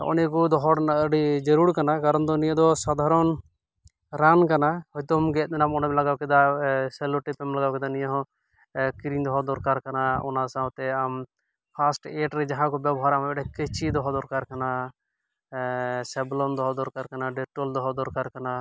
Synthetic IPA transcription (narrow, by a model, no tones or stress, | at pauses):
ɔ̰nɛkud̪ɔɦɔɽnaɖid͡ʒəɾuɽkanakaɾɔnd̪ɔnijəd̪ɔsad̪ʱaɾɔn | ɾankanahɔjt̪ɔmɡɛt̪̚ˀd̪ɛnamɔnɔmlaɡawkɛd̪asɛluʈipɛmlaɡawkɛd̪anĩjaɦɔ̃ | kiɾiŋd̪ɔɦɔd̪ɔɾkaɾkanaɔ̰nasaɔ̃t̪ɛam | pʰasʈeʈɾɛd͡ʒaɦãkɔbabʱɔɾambɛʈɛkɛt͡ʃʰid̪ɔɦɔd̪ɔɾkaɾkana | sɛblɔnd̪ɔɦɔd̪ɔɾkaɾkanaɖɛʈɔld̪ɔɦɔd̪ɔɾkaɾkana